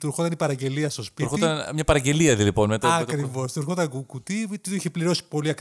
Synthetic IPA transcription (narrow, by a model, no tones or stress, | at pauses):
t̪uɾxo̞t̪ɐnipɐɾɐɟe̞liɐst̪o̞spiɾxoɐnmɲɐpɐɾɐɟe̞liɐðiliponmet̪ɐɐtkɾivo̞st̪uɾxot̪ɐŋɡukut̪it̪it̪oiçepliɾo̞si̥po̞liɐk